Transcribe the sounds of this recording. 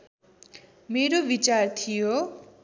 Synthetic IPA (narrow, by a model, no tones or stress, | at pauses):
meɾobit͡sart̪ʰijo